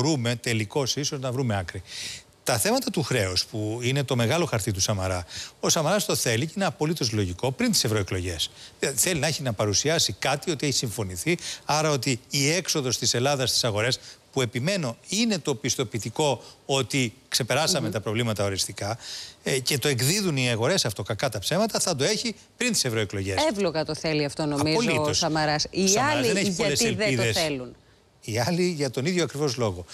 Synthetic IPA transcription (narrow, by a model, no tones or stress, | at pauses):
ɾume̞t̪e̞liko̞siso̞znɐvɾume̞ɐkɾi | t̪ɐθe̞mɐt̪ɐt̪uxɾe̞ospuine̞t̪o̞me̞ɣɐloxɐɾt̪it̪̬usɐmɐɾɐo̞sɐmɐɾɐst̪o̞θe̞liceineɐpo̞lit̪o̞zlo̞ʝiko̞pɾint̪i̥se̞vɾo̞eklo̞ʝe̞̰sðilɐðiθe̞linɐeçinɐpɐɾusiɐsikɐt̪io̞t̪ieçi̥siɱfo̞niθiɐɾɐo̞t̪iːe̞kso̞ðo̞st̪ise̞lɐðɐst̪i̥sɐɣo̞ɾe̞spue̞pime̞no̞ine̞t̪o̞pist̪o̞pit̪iko̞ot̪ikse̞pe̞ɾɐsɐmet̪ɐpɾo̞vlimɐt̪ɐo̞ɾist̪ikɐ | ce̞t̪o̞e̞ɡðiðuniɐɣo̞ɾe̞sɐft̪o̞kɐkɐt̪ɐpse̞mɐt̪ɐθɐd̪o̞e̞çi | pɾint̪i̥se̞vɾo̞eklo̞ʝesevloɣɐt̪oθeliɐft̪o̞noɐmizozliosɐmɐɾɐsisɐɐliðeneçipoleselðeiðesθelun | iɐliʝɐt̪o̞niðʝoɐkɾivo̞zlo̞ɣo̞